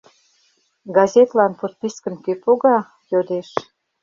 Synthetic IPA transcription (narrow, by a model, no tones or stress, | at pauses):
ɡɑzʲet̪lɑnpot̪̚piskə̆nkøpoɣɑ | jod̪eʃ